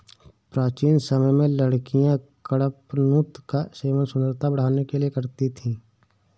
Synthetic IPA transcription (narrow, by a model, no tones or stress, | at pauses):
pɾaːt͡ʃiːnsəməjmẽləɽkijãkəɽəpnut̪kaseːʋənsʊnd̪əɾt̪abəɽ̤aːnekeliekəɾt̪it̪ʰĩː